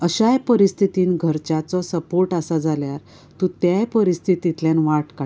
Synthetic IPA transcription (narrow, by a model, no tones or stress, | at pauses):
əɕajpəɾist̪ʰit̪iːnɡʱəɾt͡ɕat͡sɔsəpoɾʈasad͡zaljaɾ | t̪ũt̪jajpəɾist̪ʰit̪it̪ljanʋaʈka